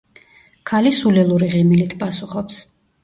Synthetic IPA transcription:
kʰalisulilˠuɾiʁɛmilit̪ʰpʼasuχɔps

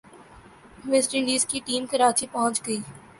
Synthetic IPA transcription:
ʋesʈĩliːzkiʈiːmkəɾaːt͡ʃipɔɦʊ̃nt͡ʃɡəiː

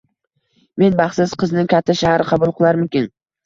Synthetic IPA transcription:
me̞nbɑχsɪzqʰɨznɪŋkʲʰat̪ʰːaʃahɾɪqʰɑbʊlˠqɨlˠaɾmʊkʲɪn

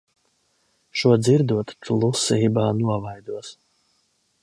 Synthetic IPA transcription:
ʃuɔd̪ziɾd̪uɔt̪pʰlˠusiːbaːnuɔvajd̪uɔs

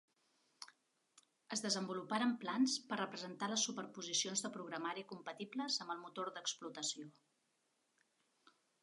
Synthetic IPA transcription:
əzðəzəmbulupaɾəmplanspərrəpɾəzənt̪aləsːupəɾpuzisionzðəpɾuɣɾəmaɾikumpət̪ibləzəmbəlˠmut̪orðəksplut̪əsio

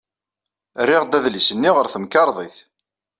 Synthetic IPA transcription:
rːɪʁd̪æðlisənːiʁəɾθəmkɑɾˤðˤiθ

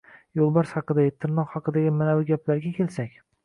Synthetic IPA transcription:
jolˠbɒɾshɑqɨd̪aɡʲɪt̪ʰɪɾnɒqhɑqɨd̪aɡʲɪmanabʊɡʲaplaɾɡʲakʲʰelsakʲ

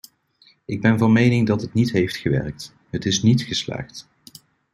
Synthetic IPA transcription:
ʔɪɡ̚bɛnvɑnmejnɪŋdɑtɦətnitɦejftχəʋɛ̰rk̚t | ɦətɪsnitχəsla̰ːχt

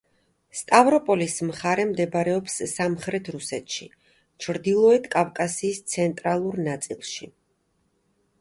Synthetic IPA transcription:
st̪ʼavɾɔpʼɔlismχaɾɛmd̪ɛbɾɛɔpsːamχɾɛt̪ʰɾusɛt̪ʰʃḭ | t͡ʃʰɾd̪ilˠɔɛt̪ʰkʼavkʼasiːst̪sʰɛnt̪ʼɾalˠuɾnat̪sʼilˠʃi

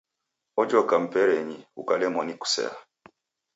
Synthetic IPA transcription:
ɔd͡ʒɔkam̩pɛɾɛɲiukalɛmɔniku̥sɛ̰a̰

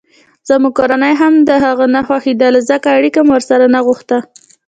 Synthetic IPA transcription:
z̥əmuɡ̚koɾanəjɦamd̪əɦaɣənaxwaxid̪ɑləzakaːɽikamwəɾsaɾanaɣuxt̪a

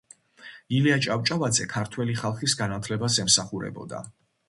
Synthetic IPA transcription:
iliat͡ʃʼaft͡ʃʼavad̪zɛkʰaɾt̪ʰwɛliχalˠχisɡanat̪ʰlɛbasɛmsaχuɾɛ̰bɔ̰d̪a̰

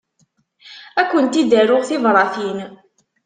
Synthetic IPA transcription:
ækʷːənt̪id̪æɾʊʁθɪvɾˤɑθin

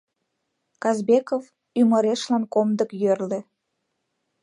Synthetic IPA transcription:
kɑzbekov | yməɾeʃlɑnkomd̪əkjørlĕ

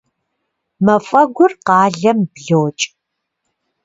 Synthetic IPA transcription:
mɐfʼɐɡʷʊrqɑːɮɐmbɮowt͡ʃʼ

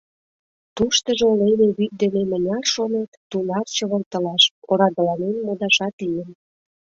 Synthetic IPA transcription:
t̪uʃt̪əʒeoleneβyk̪̚d̪enemənʲɑrʃonet̪ːunɑrt͡ɕəβə̆lt̪əlɑʃoɾɑd̪ə̆lɑnenmod̪ɑʃɑt̪lijən

